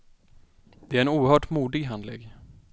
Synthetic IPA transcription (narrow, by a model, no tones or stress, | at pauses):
d̪ɛæɾɛnuːɾhœːʈmuːd̪ɪɡɦand̪lɛ̰ːɡ